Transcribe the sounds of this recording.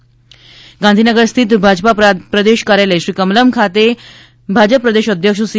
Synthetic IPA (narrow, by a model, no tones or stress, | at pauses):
ɡãnd̪ʱinəɡəɾst̪ʰit̪bʱad͡ʑpapɾəd̪eʃkaɾjaləjɕɾiːkəmləmkʰat̪e | bʱad͡ʑəpːɾəd̪eʃəd̪ʱjəkʂəsi